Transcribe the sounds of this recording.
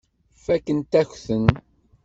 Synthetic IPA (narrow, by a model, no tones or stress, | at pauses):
fækːənt̪æçθən